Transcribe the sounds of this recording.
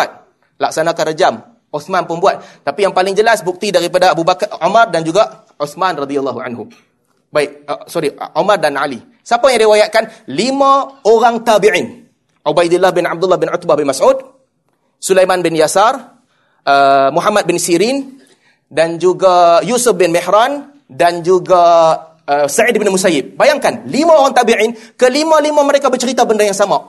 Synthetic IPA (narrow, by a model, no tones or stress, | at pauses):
at̪̚ | lak̚sanakarəd͡ʒam | ʔɔθmanpunbuat̪̚t̪ːapijaŋpalɪŋd͡ʒəlasbuk̚t̪idaɾipadaːbubakumardand͡ʒuɡa | uθmanradialːaɦuʕa̰nɦu | baɪk̚əsɔɾiʔumardanʕali | sapajaŋdiwajaʔ̚kanlimãoɾaŋt̪abiʕɪn | ʔubajdɪlːahbɪnab̚dulːahbɪnʊt̪̚bahbɪnmasud̚ | sulajmãnbɪnjasar | ʔəmuɦamad̪̚bɪnsiɾin | dand͡ʒuɡajusʊfbɪnmɛhɾan | dand͡ʒuɡa | əsaʕid̚binmusajɪb̚bajaŋkanlimãoɾaŋt̪abiʕinkəlimãlimãməɾekabərt͡ʃəɾit̪abəndajaŋsamaʔ